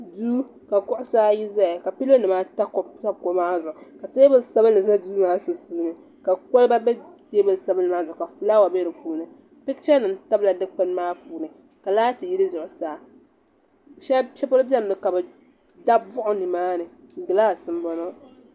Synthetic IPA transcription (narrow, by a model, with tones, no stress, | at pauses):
duː˦ | ka˨kʊ˦ʔʊ˦saː˦ji˦za˦a˨ka˨pi˦lo˦nɨ˨maː˦ta˦kta˦bko˦maː˦zʊ˨ʔʊ˨ka˨tɨ˦bɨ˨lsa˦bɨ˦nːɨ˨za˦duː˦maː˦so˨suː˦nɨ˨ | ka˨ko˦lba˦bɛ˦ | te˦bɨ˨lsa˦bɨ˦nːɨ˨maː˦zʊ˨ʔʊ˨ka˨fu˨˦laː˦wa˨bɛ˦ɾɨ˨puː˦nɨ˨ | pɪ˦kt͡ʃɛ˦nɨ˨m˦ta˦bla˨dɨ˦k͡pɨ˦nmaː˦puː˨˦nɨ˨ | ka˨laː˦tɨ˨ji˦lɨ˦zʊ˨ʔʊ˨saː˨ | ʃɛ˦ʃɛ˦po˦lbɛ˦m˨nɨ˨ka˨bɛ˨ | da˦bʊ˦ʔʊ˦nɨ˨maː˦nɨ˨ŋ˨ɡɨ˨laː˦˨sɨ˦m˦bɔ˦no˦